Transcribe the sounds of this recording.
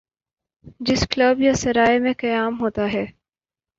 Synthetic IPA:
d͡ʒɪskləbjasɐɾaːemẽkɐjaːmɦoːt̪aɦɛː

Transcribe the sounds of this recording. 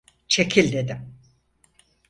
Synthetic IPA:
t͡ʃʰe̞kʰilʲd̪e̞d̪im

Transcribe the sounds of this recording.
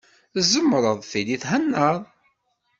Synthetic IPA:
zəmːɾˤəðˤfiliθɦænːəðˤ

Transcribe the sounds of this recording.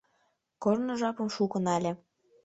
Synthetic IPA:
kornɤ̆ʒɑpɤ̆mʃukɤ̆nɑlʲĕ

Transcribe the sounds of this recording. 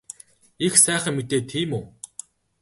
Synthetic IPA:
ixsæːχə̆ŋmːit̪eːt̪ʰiːmuː

